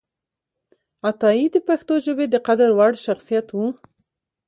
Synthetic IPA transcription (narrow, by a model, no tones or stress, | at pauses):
at̪ɑid̪əpaxt̪oʒəbed̪əqad̪aɾwaɽʃaxsijat̪wu